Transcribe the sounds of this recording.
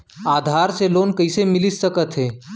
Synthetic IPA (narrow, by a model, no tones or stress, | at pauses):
aːd̪ʱaːɾseloːnkəɪsemɪlissəkət̪ɦeː